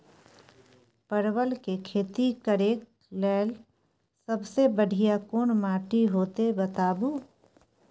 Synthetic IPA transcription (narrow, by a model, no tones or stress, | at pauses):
pəɾwəlkekʰeːt̪ikəɾeːk̚ | lɛːl | səbsebəɽ̤ʱijakoːɳmaːʈiɦoːt̪ebət̪aːbuː